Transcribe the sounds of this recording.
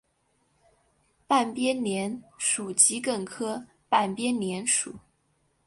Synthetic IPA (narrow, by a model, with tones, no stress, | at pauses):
pa˥˩npjɛ˥nnjɛ˧˥nʂu˨˩t͡ɕi˧˥kə˥˩ŋkʰɤ˥ | pa˥˩npjɛ˥nnjɛ˧˥nʂu˨˩˦